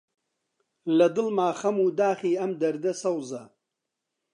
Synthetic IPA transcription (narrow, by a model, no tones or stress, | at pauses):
lɐd̪ɨlmaːxɐmuːd̪aːxiːɐmd̪ɐɾd̪ɐsɐwzɐ